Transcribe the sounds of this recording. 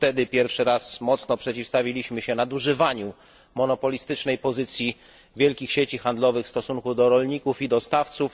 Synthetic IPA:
ft̪ɛd̪ɘpʲjɛɾfʂɘɾasmɔt̪snɔpʂɛt͡ɕifst̪avʲilʲiɕmɘɕɛnad̪uʐɘvaɲu | mɔnɔpɔlʲist̪ɘt͡ʂnɛjpɔzɘt̪sʲji | vʲjɛlkʲixɕet͡ɕixand̪lɔvɘxfst̪ɔsuŋkud̪ɔɾɔlɲikufid̪ɔst̪aft̪suf

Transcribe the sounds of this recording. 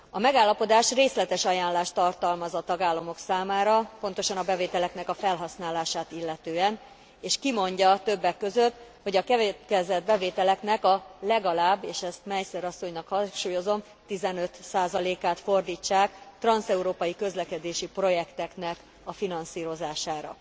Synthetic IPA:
ɒmɛɡaːlːɒpo̞d̪aːʃreːslɛt̪ɛʃɒjaːnlaːʃt̪ɒrt̪ɒlmɒzɒt̪ɒɡaːlːɒmo̞ksaːmaːɾɒpo̞nt̪o̞ʃɒnɒbɛveːt̪ɛlɛknɛkɒfɛlɦɒsnaːlaːʃaːt̪ilːɛt̪øːɛn | eːʃkimo̞ɲɟɒt̪ø̞bːɛkːøzøt̪ːho̞ɟɒkɛvkɛzɛd̪̚bɛveːt̪ɛlɛknɛkɒlɛɡɒlaːbːeːʃɛst̪mɛjsɛɾɒsːo̞ɲnɒkhɒŋʃuːjo̞zo̞m | t̪izɛnø̞t̪saːzɒleːkaːt̪fo̞rd̪iːt͡ʃːaːkt̪rɒnsɛuɾoːpɒjikø̞zlɛkɛd̪eːʃipro̞jɛkt̪ɛknɛk | ɒfinɒnsiːɾo̞zaːʃaːɾɒ̰

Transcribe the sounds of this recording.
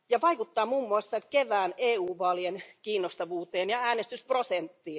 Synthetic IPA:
jɑʋɑikut̪ːɑːmumːuɑsːɑt̪keʋæːneːuːʋɑːlienkiːnːost̪ɑʋuːt̪eːnjɑæːnest̪ysprosent̪ːiː

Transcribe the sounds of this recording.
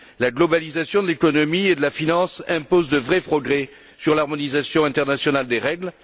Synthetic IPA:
laɡlɔbalizasjɔ̃d̪əlekɔnɔmied̪əlafinɑ̃sɛ̃pozd̪əvʁɛpχɔɡʁɛ | syʁlaʁmɔnizasjɔ̃ɛ̃t̪ɛʁnasjɔnald̪eʁɛɡl

